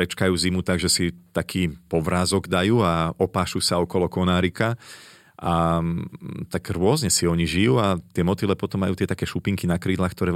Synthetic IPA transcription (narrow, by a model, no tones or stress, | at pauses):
ɾɛt͡ʃkajuːzimut̪aɡʒɛsit̪akʰiːpɔʋɾaːzɔɡd̪ajuːaɔpaːʃuːsaɔkɔlɔkɔnaːɾika | ʔa | t̪aɡɾʊɔzɲɛsiɔɲiʒijuːat̪ɪɛmɔt̪ilɛpɔt̪ɔmːajuːt̪ɪɛt̪akɛːʃupiŋkinakɾiːd̪laːxkt̪ɔɾɛː